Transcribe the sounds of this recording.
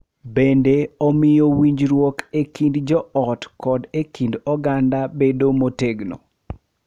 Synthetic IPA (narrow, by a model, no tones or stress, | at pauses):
bendeomɪjowiɲd͡ʒɾwɔkekindd͡ʒɔɔtkɔdekindɔɡandabedomoteɡno̰